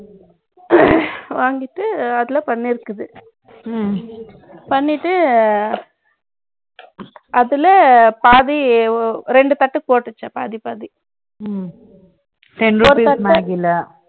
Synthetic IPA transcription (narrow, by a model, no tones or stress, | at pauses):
ʋaːŋɡɪʈːɯɐðɪlɐpɐɳːɪɾɯkːɯðɯ | pɐɳːɪʈːɯ | ɐðɪlɐpaːði | ɾɛɳɖɯt̪ɐʈːɯpoːʈːɯt͡ʃːɐpaːðipaːði | t̪ɛnoːɾit̪ɐnaːɣɪlɐ